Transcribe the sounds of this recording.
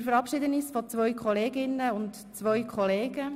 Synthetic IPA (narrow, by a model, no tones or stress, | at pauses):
fəɾɑpʃɪd̪ənɪsfɔt͡sʋœʏkχɔleːɡɪnːəʊnt | t͡sʋœɥkʰχɔleːɡə